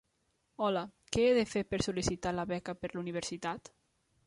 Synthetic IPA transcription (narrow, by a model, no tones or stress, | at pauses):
ɔlakɛeðefeɾpəɾsulisit̪alaβɛkapəɾluniβ̞eɾsit̪at̪